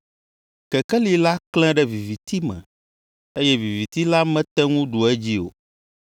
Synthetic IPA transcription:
kɛ˨kɛ˦li˨la˦klɛ̃˦ɖɛ˦vi˨vi˨t̪i˦mɛ̰̃˨ | e˦jɛ˦vi˨vi˨t̪i˦la˦mɛ̃˦t̪ɛ˦ŋũ˦ɖu˨ɛ˦d͡ʑi˦o̰˨

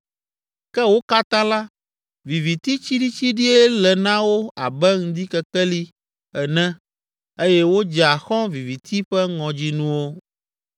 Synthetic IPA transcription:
kɛ˦wo˦ka˦t̪ã˦la˦ | vi˨vi˨t̪i˦t͡ɕi˦ɖi˦t͡ɕi˦ɖi˦ɛ˦lɛ˨nã˦wo˦a˨bɛ˦ŋ̩̃˨d̪i˦kɛ˨kɛ˦li˦ | ɛ˨nɛ̃˦ | e˦jɛ˦wo˦d͡ʒɛ˨a˨xɔ̃˦vi˨vi˨t̪i˦ɸɛ˦ŋɔ̃˨d͡ʑi˦nũ˦wo˦

